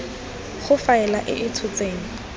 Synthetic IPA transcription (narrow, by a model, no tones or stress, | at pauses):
χʊfaɛlaʔɪ̰ʔɪtʰʊt͡seːŋ̩